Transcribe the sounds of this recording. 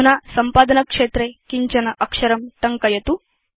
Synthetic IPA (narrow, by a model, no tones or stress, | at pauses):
nasɐmpaːd̪ɐnɐkʂeːt̪ɾekiɲt͡ʃɐnɐʔɐkʂɐɾɐmʈɐŋkɐjɐt̪u